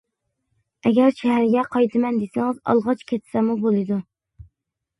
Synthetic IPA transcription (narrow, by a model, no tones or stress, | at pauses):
ɛɡʲɛɾʃɛɦæɾɪɡʲɛqʰɑjt̪ʰɨmɛnd̪esɪŋɨzɑ̰lˠʁɑt͡ʃkʲʰet̪sɛmubolˠɨd̪u